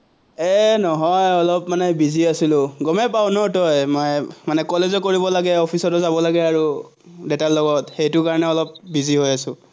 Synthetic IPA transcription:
ɛnɔɦɔjɔlɔpmanɛbiziasilʊɡɔmɛpawnɔtɔjmɔjmanɛkɔlezɔkoɹibɔlaɡɛɔpʰisɔtɔzabɔlaɡɛaɹu | detalɔɡɔtxejtʊkaɹɔnɛɔlɔp̚biziɦojasʊ̃

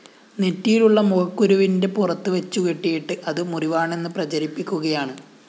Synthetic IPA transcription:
netːijiluɭːɐmuɣɐkːuɾuʋinde̞purɐt̪ːɨʋet͡ɕːukeʈːijiʈːɨʔɐðɨmuriʋaːɳe̞nːɨprɐt͡ɕɐɾipːikʲːuɣɐjaːɳɨ

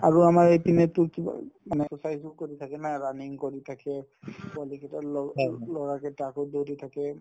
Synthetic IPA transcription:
aɹuamaɹejpinɛtʊkiba̰manɛɔsajsukoɹitʰakɛnajɹaniŋkoɹitʰakɛpʊalikɛtalɔlɔɹakɛtakɔdowtitʰakɛ

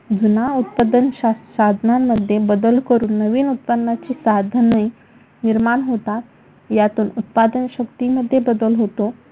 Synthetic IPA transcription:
d͡zunaut̪̚pəd̪ənɕaɕad̪ʱnamːəd̪ʱːjebəd̪əlkəɾuːnːəʋiːnut̪̚pəd̪nat͡ɕiːsad̪ʱənəi | niɾmaɳɦot̪a | jat̪uːnut̪̚pad̪ənɕəkt̪iməd̪ʱːjebəd̪əlɦot̪o

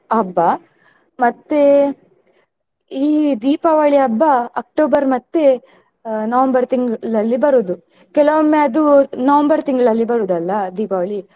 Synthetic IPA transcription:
ɐbːɐ | mɐt̪ːe | iːd̪iːpɐʋɐɭiɐbːɐɐk̚ʈoːbɐɾmɐt̪ːe | nɐʋɐmbɐɾt̪iŋɡɭɐlːibɐɾuːd̪u | kɛlɐʋɐmːeɐd̪unɐʋɐmbɐɾt̪iŋɡɐɭɐlːibɐɾuːd̪ɐlːɐd̪iːpɐʋɐɭi

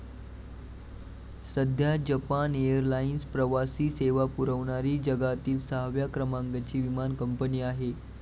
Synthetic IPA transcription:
səd̪ʱjad͡ʑəpanejəɾlainspɾəʋasiːseʋapuɾəʋɳaɾiːd͡ʑəɡat̪iːlsaɦʋjakɾəmaŋɡat͡ɕiːʋimankəmpəniːaɦe

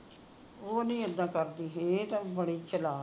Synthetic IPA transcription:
oːnĩːəd̪ːãːkəɾd̪iːɦẽt̪ãːbəɽiːt͡ʃəlaː

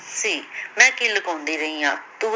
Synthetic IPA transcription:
siːmɛ̃ːkiːləkõːnd̪iːɾəiːã̰ːt̪uː

